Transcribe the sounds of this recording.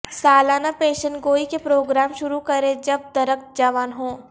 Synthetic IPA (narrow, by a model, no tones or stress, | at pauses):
saːlaːnapeːʃənɡoːikepɾoːɡɾaːmʃʊɾukɐɾẽd͡ʒɐb̚d̪ɐɾək̪̚d͡ʒaʋaːnɦõː